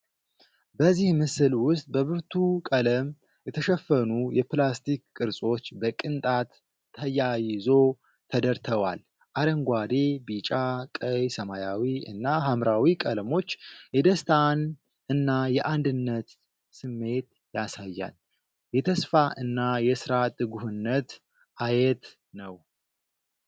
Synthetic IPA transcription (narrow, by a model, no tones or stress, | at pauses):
bəzːihmɨsɨlwʊst̪ʼbəβɨɾt̪ʰukʼələm | jɛt̪ʰəʃɛfːənujɛplast̪ʰikkʼːɨɾsʼo̞t͡ʃːbəkʼɨnt̪ʼat̪ʰː | əjajɪzo̞ | t̪ʰəd̪əɾt̪ʰəβwa̰l | ʔaɾəŋɡʷad̪e̞bit͡ʃʼakʼəjsəmajawiɨ̰nːaɦamɾawikʼəlmo̞t͡ʃːjɛd̪əst̪ʰan | ɨnːajɛʔand̪ɨnːət̪ | sɨmːe̞t̪ | jasajːa̰l | jɛt̪ʰəsfaʔɨnːajɛsɨɾat̪ɨɡuhɨnːət̪ | ʔajɛt̪ | nəw